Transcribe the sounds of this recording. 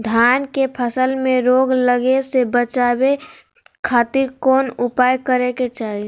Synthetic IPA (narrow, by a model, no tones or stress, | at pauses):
d̪ʱjaːnkepʰəsəlmẽɾoɡləɡesebət͡ʃabe | kʰaːt̪iɾkoːnʊpaːjkəɾeket͡ʃaːɦi